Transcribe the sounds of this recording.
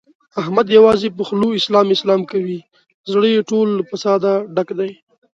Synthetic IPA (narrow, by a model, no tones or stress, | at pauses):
ahmad̪jawɑzepəxluɪslɑmɪslɑmkawi | zɽəjeʈolːfasɑd̪aɖakd̪aj